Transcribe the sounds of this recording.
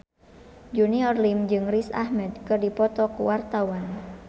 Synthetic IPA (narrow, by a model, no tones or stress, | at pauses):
d͡ʒuniɔrlimd͡ʒɨŋrisa̰hmɛd̪̚kɨrdipɔt̪ɔkuwart̪awan